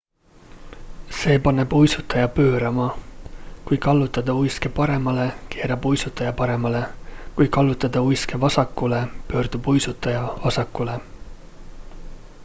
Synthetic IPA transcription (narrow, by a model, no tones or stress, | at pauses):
se̞ːpɑnːe̞b̥ujsut̪ːˑɑjɑpø̞ːɾɑmɑ | kujkɑlːut̪ːˑɑd̪ɑujskepɑɾe̞mɑle̞ke̞ːɾɑbujsut̪ːˑɑjɑpɑɾe̞mɑle̞kujkɑlːut̪ːˑɑd̪̥ɑujske̞vɑsɑkːˑulepø̞ːrd̪̥ub̥ujsut̪ːˑɑjɑvɑsɑkːˑule